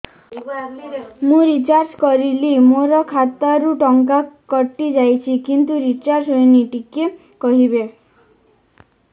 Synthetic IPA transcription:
mũɾit͡ʃaɾd͡ʒkɔɾilimoɾɔkʰat̪aɾuʈɔŋkakɔʈːid͡ʒajt͡ʃʰikint̪uɾit͡ʃaɾsɦojniʈike | kɔɦibe

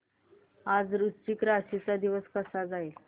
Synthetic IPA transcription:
ad͡zɾust͡ɕikɾaɕit͡sad̪iʋəskəsad͡zael

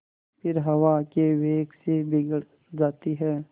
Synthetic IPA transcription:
pɪɾɦɐwakeʋeːksebɪɡəɽ | d͡ʒaːt̪iɦɛː

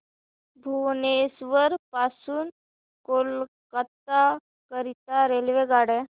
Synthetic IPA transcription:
bʱunesʋəɾpaːsuːn | kolkət̪a | kəɾit̪aɾelʋeɡaːɽẽ

